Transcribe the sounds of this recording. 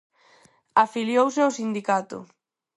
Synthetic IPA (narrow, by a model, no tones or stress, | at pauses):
afiljowsɪawsind̪ikat̪ʊ̰